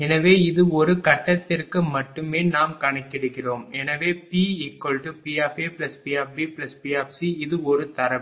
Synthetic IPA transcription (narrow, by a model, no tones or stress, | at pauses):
ɛnɐʋeːɪðɯɔɾɯkɐʈːɐt̪ːɪrkɯmɐʈːɯmeːnaːmkɐɳɐkːɪɽɯkːɪroːmɛnɐʋeːpiːiːkːɐlʈupiːaːfeːplɐspiaːfbiplɐspiːaːfsiɪðɯɔɾɯt̪ɐɾɐ